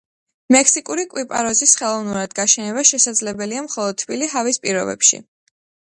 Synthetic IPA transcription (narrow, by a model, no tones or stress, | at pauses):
mɛkʰsikʼuɾikʼwipʼaɾɔzisχɛlˠɔvnuɾad̪ɡaʃɛnɛbaʃɛsad̪zlɛbɛliamχɔlˠɔd̪̚t̪ʰbilihavispʼiɾɔbɛ̰pʃḭ